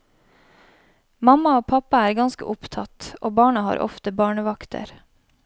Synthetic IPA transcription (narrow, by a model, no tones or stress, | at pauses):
mɑmɑoːpʰɑpɑæːɾɡɑnskə̰ʔʊpt̪ʰɑt̪ʔoːbɑːɳɑhɑ̰ːɾʔɔ̰ft̪əbɑːɳəʋɑkt̪ʰə̰ɾ